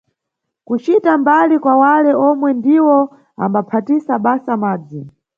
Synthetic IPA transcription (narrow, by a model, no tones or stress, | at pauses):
kut͡ʃitambalikwawalɛɔmwɛndiwɔ | a̰mbapʰatisaɓasamaːd͡zi